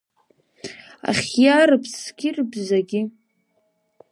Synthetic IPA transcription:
a̰χʲjaɾɨpʰsɡʲɪrbzaɡʲɪ

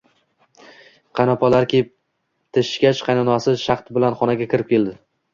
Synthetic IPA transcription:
qʰɑnapʰɒlaɾkʲʰep̚ | t̪ʰɪʃkʲat͡ʃqʰɑjnɒnɒsɪʃɑχt̪bɪlanχɒnaɡʲakʲʰɪɾɪp̚kʲe̞ld̪ɪ

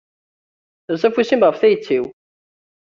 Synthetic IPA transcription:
θəɾsæfusimʁəfθæjət͡sːiw

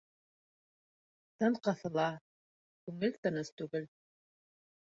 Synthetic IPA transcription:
t̪ɤɴqɑθɤ̆lˠɑ | kʉŋɘlt̪ɤ̆nɤst̪ʉɡɘl

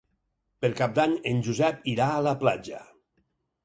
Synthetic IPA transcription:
peɾkap̚d̪aɲenʲʒuzɛpiɾaːləplad͡ʒə

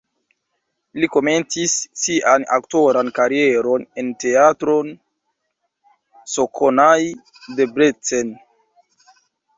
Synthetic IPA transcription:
liko̞me̞nt͡sisːiʔana̰kto̞ɾankaɾie̞ɾo̞ne̞nte̞atɾon | sokʰonaj | de̞bɾet͡sen

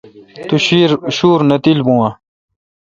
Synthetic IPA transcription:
t̪uɕiːɾɕuːɾnɐt̪ilbũwa

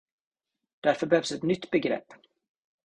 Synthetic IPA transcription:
d̪̥æɾfœɾbɛhœːvsɛt̪nʏt̪ːbɛɡɾɛ̰pː

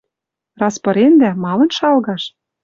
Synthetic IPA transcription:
rɑspɤ̆ɾend̪æmɑlɤ̆nʃɑlɣɑʃ

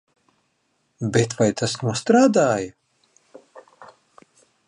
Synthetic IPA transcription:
bet̪vajt̪ʰasnuɔst̪ɾaːd̪aːjɐ

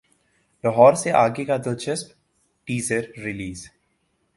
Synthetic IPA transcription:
lɐɦɔːɾseʔaːɡekad̪ɪlt͡ʃɐsp | ʈiːzəɾːɪliːz

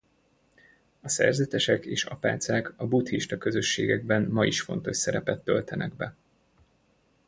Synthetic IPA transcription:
ɒsɛ̰rzɛt̪ɛʃɛkeːʃɒpa̰ːt̪saːkɒbut̪hiʃt̪ɒkø̞zø̞ʃːeːɡɛɡ̚bɛnmɒiʃfo̞̰n̪t̪o̞ʃsɛɾɛpɛt̪ːø̞lt̪ɛnʔɛɡbɛ

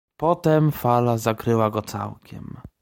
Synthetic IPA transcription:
pɔt̪ɛmfalazakɾɘwaɡɔt̪sa̰wkʲɛ̰m

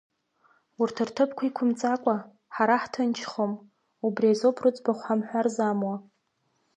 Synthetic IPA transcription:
urtʰɨrtʰɨpʰkʷʰaikʷʰʊmt͡sʼakʷʼa | ħaɾaħtʰɨnt͡ʃʰχom | ubriazopʰrɨt͡sʼbaχʷamħʷᶣarzamwa

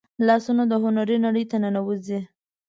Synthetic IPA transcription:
lɑsunod̪əɦʊnaɾinaɽəjt̪ananawəzi

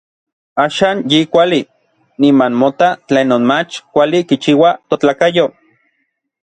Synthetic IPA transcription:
aːʃaːnjikʷali | nimanmot̪at͡ɬeːnːoːnmat͡ʃkʷalikit͡ʃiːwat̪ot͡ɬaːkajo

